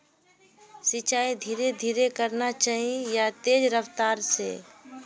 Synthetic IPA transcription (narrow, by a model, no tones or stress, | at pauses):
sɪt͡ʃaːid̪ʱiːɾed̪ʱiːɾekəɾnat͡ʃaːɦijat̪eːd͡ʒɾəʋt̪aːɾsḛ